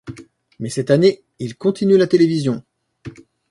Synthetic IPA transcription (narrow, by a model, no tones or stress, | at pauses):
mɛsɛt̪ane | ilkɔ̃t̪inylat̪elevizjɔ̃